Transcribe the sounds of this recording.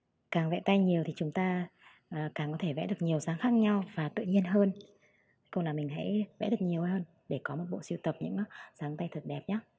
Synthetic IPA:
kaː˨˩ŋvɛ̰˧˨t̪a˧jɲi˨˩əwt̪ʰi˨˩t͡ɕʊ˨˦ŋ͡mt̪aː˧ | ʔəː˨˩kaː˨˩ŋkɔ˨˦t̪ʰe˧˩vɛ̰˧˥ɗɨ˨˩ək̚ɲi˨˩əwsaː˨˦ŋxaː˦˥k̚ɲa˧wvaː˨˩t̪ɨ̰˧˨ɲi˧ənɦəː˧n˦ | kʊ̰˧ŋ͡mlaː˨˩mï˨˩ŋ̟ɦa̰˧˥jvɛ̰˧˥ɗɨ˨˩ə˩ɲi˨˩əwʔjhəː˧n | ɗe˧˩kɔ˨˦mo˨˩t̚ɓo̰˧˨si˧əwt̪ə˨˩p̚ɲɨ̰˧˥ŋ˦zaː˨˦ŋt̪a˧jt̪ʰə˨˩t̚ɗɛ˨˩p̚ɲaː˨˦

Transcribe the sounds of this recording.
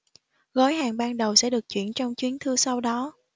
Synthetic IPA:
ɣɔ˨˦jhaː˨˩ŋɓaː˧nɗə˨˩wsɛ̰˧˥ɗɨ˨˩k̚t͡ɕwḭ˧˩ənt͡ɕɔ˧wŋ͡mt͡ɕwi˨˦ənt̪ʰɨ˧sa˧wɗɔ˨˦

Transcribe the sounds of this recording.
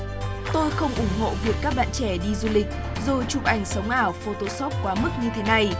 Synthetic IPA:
t̪o˧jxə˧wŋ͡mʔʊ˧˩ŋ͡mɦo̰˧˨vi˨˩əkːaː˦˥k̚ɓa̰ː˧˨nt͡ɕɛ˧˩ɗi˧zu˧lï˨˩k̟̚ | zo˨˩jt͡ɕʊ˨˩p̚ʔa˧˩jŋ̟sə˨˦wŋ͡mʔaː˧˩wfo˧t̪o˧sɔ˦˥p̚kwaː˨˦mɨ˦˥k̚ɲɨ˧t̪ʰe˨˦na˧j

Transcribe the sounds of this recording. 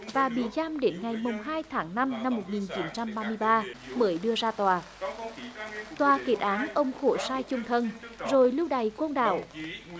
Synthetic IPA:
vaː˨˩ɓḭ˧˩zaː˧mɗe˨˦nŋa˨˩jmʊ˨˩ŋ͡mɦaː˧jt̪ʰaː˨˦ŋna˧mna˧mːo˨˩t̚ŋi˨˩nt͡ɕi˨˦nt͡ɕa˧mɓaː˧mɨ˧əjɓaː˧məː˨˦jɗɨ˧əzaː˧t̪waː˨˩ | t̪waː˨˩ke˨˩t̚ʔaː˨˦nʔə˧wŋ͡mxo˧˩saː˧jt͡ɕʊ˧ŋ͡mt̪ʰə˧nzo˨˩jlɨ˧wɗa˨˩jkwə˧wnɗa̰ː˧˩˨w

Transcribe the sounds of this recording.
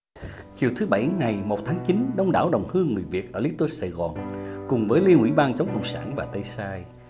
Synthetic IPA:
t͡ɕi˨˩əwt̪ʰɨ˨˦ɓa˧˩jŋa˨˩jmo˨˩t̚t̪ʰaː˨˦ŋt͡ɕi˨˦nɗə˧wŋ͡mɗa̰ː˧˩wɗə˨˩wŋ͡mhɨ˧əŋːɨ˨˩əjvi˨˩ət̚ʔəː˧˩li˨˦˥t̪wə˧˥saː˧˩jɣɔ˨˩nkʊ˨˩ŋ͡mvəː˨˦jli˧ənʔwḭ˧˥ɓaː˧nt͡ɕə˨˦ŋ͡mkə̰˧˨wŋ͡msa̰ː˧˩nvaː˨˩t̪ə˧jsaː˧j

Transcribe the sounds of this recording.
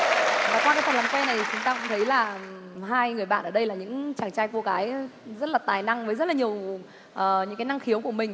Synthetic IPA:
vaː˨˩kwa˧kaː˨˦t̪ʰa˨˩˨laː˨˩mkwɛ˧na˨˩jt͡ɕʊ˨˦ŋ͡mt̪aː˧kʊ̰˧˥ŋ͡mt̪ʰə˨˦jlaː˨˩ɦaː˧jŋɨ˨˩əjɓa̰ː˧˨nʔəː˧˩ɗə˧jlaː˨˩ɲɨ̰˧˥ŋt͡ɕaː˧˩ŋt͡ɕaː˧jku˧˩əkaː˨˦jzə˦˥t̚laː˨˩t̪aː˨˩jna˧ŋvəː˨˦jzə˦˥t̚laː˨˩ɲi˨˩əw | ʔəː˨˩ɲɨ̰˧˥kaː˨˦na˧ŋxi˨˦əwku˧˩əmï˨˩ŋ̟

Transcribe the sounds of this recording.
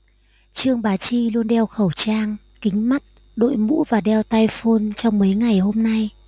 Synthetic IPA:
t͡ɕɨ˧əŋɓaː˨˦t͡ɕi˧lu˧ənɗɛ˧wxə˧˩wt͡ɕaː˧ŋ | kï˨˦ŋ̟ma˦˥t̚ | ɗo̰˧˨jmṵ˧˥vaː˨˩ɗɛ˧wt̪aː˧jfo˧nt͡ɕɔ˧wŋ͡mmə˨˦jŋa˨˩jɦo˧mna˧j

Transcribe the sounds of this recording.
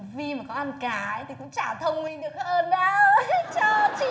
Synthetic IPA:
vi˧maː˨˩kɔ˨˦ʔa˧nkaː˨˩˦ə˧˦jt̪i˨˩kʊ̰˧˥ŋ͡mt͡ɕaː˧˩t̪ʰə˧wŋ͡mmï˧ŋɗɨ˨˩ək̚ʔəː˧nɗaː˨˦t͡ɕəː˧˩t͡ɕi˧

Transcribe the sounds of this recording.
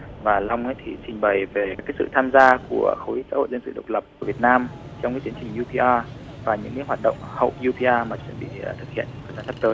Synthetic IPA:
vaː˨˩la˧wŋ͡mʔə˨˦jt̪ʰi˨˩t͡ɕï˨˩ŋ̟ɓə˨˩jve˨˩kaː˨˦jsɨ̰˧˨t̪ʰaː˧mzaː˧ku˧˩əxə˨˦wʔi˦˥sa̰ː˧˥ho̰˧˨jzə˧nsɨ̰˧˨ɗə˨˩k͡p̚lə˨˩p̚ku˧˩vi˨˩ət̚naː˧mt͡ɕɔ˧wŋ͡mkaː˨˦t͡ɕi˨˦ənt͡ɕï˨˩ŋ̟ʔu˧pʰi˧ʔaː˧ | vaː˨˩ɲɨ̰˧˥ŋka˧˨˦ɦwaː˨˩t̚ɗə̰˧˨wŋ͡mhə̰˧˨wɲu˧pʰi˧ʔaː˧maː˨˩t͡ɕwḭ˧˥ənɓḭ˧˨˩t̪ʰɨ˨˩k̚hḭ˧˨ən˧əː˨˧˩zaː˨˦nsʰə˦˥p̚t̪əː˨˦j

